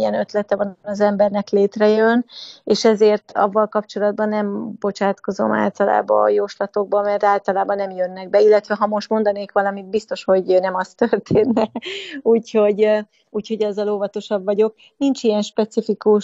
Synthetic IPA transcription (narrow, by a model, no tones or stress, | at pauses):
ɛnø̞t̪lɛt̪ɛvɒnnɒzɛmbɛrnɛkleːt̪rɛjøneːʃɛzeːrt̪ɒ̰vːɒlkɒpt͡ʃo̞lɒd̪̚bɒnːɛmbo̞t͡ʃaːt̪ko̞zo̞̰ma̰ːlt̪ɒla̰ːbɒ̰ːjoːʃlɒt̪o̞ɡ̚bɒmɛrt̪aːlt̪ɒlaːbɒnɛmjønːɛɡ̚bɛilːɛt̪ʋɛɦɒmo̞ʃt̪mo̞nd̪ɒneːkʋɒlɒmid̪̚bist̪o̞ʃho̞ɟnɛmɒst̪ørt̪ʰeːnːɛuːcho̞ɟ | uːcho̞ɟɒzːɒloːvɒt̪o̞ʃɒbvɒɟo̞k̚ | nint͡ʃijɛnʃpɛt̪sifikuʃ